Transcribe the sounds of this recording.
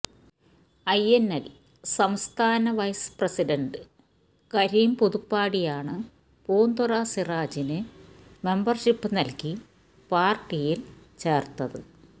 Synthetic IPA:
ɐjenːɐl | sɐmst̪ʰaːnɐʋɐjsprɐsiɖɐɳɖɨ | kɐɾiːmpuðupːaːɽijaːɳɨ | poːnd̪uraːsiraːd͡ʑinɨme̞mbɐrɕipːɨnɐlki | paːrʈːijil | t͡ɕe̞ːrt̪ɐðɨ

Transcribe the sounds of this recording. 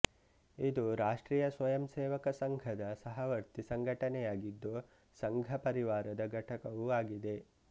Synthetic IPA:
id̪uɾaːʂʈɾiːjɐsʋɐjɐmseːʋɐkɐsɐŋɡʱɐd̪ɐsɐɦɐʋɐɾt̪isɐŋɡʱɐʈɐnɛjaːɡid̪ːo | sɐŋɡʱɐpɐɾiʋaːɾɐd̪ɐɡʱɐʈʰɐkɐʋuaːɡid̪e

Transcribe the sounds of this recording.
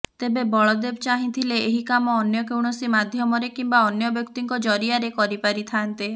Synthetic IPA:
t̪ebebɔɭɔd̪ebt͡ʃaɦĩt̪ʰileːɦikamɔːnjɔkewɳ̃ɔsimad̪ʱjɔmɔɾekimbaɔnjɔbjɔkt̪iŋkɔd͡ʒɔɾiaɾekɔɾipaɾit̪ʰant̪i

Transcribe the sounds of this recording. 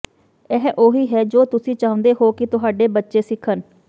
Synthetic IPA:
ɛːɦʔoːɦiːɦɛːd͡ʒoːt̪ʊsĩːt͡ʃaːʊ̃nd̪eːɦoːkɪt̪ʊɦaːɖeːbətːʃeːsɪkʰən

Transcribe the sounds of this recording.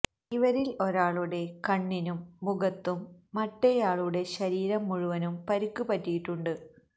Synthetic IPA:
iʋɐɾilo̞ɾaːɭuɽe̞kɐɳːinumːuɡɐt̪ːumːɐʈːejaːɭuɽe̞ɕɐɾiːɾɐmːuɻuʋɐnumpɐɾukːupɐtːijiʈːuɳɖɨ

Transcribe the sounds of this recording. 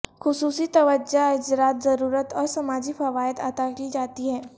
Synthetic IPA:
xʊsuːsit̪ɐʋəd͡ʒad͡ʒɾaːt̪zɐɾuːɾət̪ɔːɾsɐmaːd͡ʒifɐʋaːjət̪aːt̪akiːd͡ʒaːt̪iɦɛː

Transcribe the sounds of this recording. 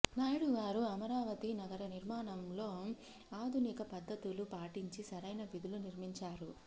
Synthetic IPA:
naːjɽuʋaːɾuɐmɐɾaːʋɐt̪inɐɡɐɾɐniɾmaːnɐmlo̞ː | aːd̪ʱunikɐpɐd̪ʱːɐt̪ulupaːʈiɲt͡ʃisɐɾɐjnɐʋid̪uluniɾmiɲt͡ʃaːɾu

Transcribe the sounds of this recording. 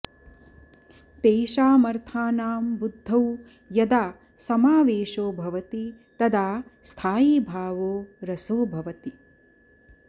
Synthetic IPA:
t̪eːʃaːmɐɾt̪ʰaːnaːmbud̪ʱːɐw | jɐd̪aː | sɐmaːʋeːʃoːbʱɐʋɐt̪i | t̪ɐd̪aːst̪ʰaːjiːbʱaːʋoːɾɐsoːbʱɐʋɐt̪i

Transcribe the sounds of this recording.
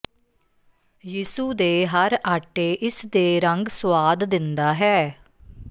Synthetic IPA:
jiːsuːd̪eːɦəɾaːʈeːʔɪsd̪eːɾəŋɡswaːd̪d̪ɪnd̪aːɦɛː

